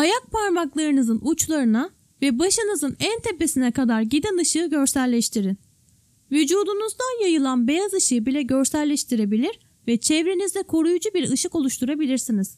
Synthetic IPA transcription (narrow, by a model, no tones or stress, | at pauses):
ajak̚pʰaɾmaklˠaɾɯnɯzɯnʔut͡ʃlˠaɾɯna | vɛbaʃɯnɯzɯnænt̪ʰɛpːesinɛkad̪aɾɟid̪ɛnɯʃɯːɟø̞ɾsælʲːɛʃt̪ʰiɾin | vyd͡ʒuːd̪unuzd̪anjajɯlˠanbejazɯʃɯjɯbilʲɛɟøɾsælʲːɛʃt̪ʰiɾe̞bilʲiɾ | vɛt͡ʃʰɛvɾenizd̪ɛkʰo̞ɾujud͡ʒubiɾɯʃɯko̞lˠuʃt̪ʰuɾabilʲiɾsiniz̥